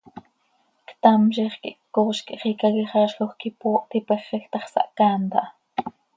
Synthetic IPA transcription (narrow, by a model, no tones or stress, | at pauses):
kt̪ɑmʃiχkḭʔkːoːʃkiʔχikɑɣiχɑːʃxoχkipoːʔt̪ipɛχːɛxt̪ɑχsɑ̰ʔkɑːnt̪ɑʔ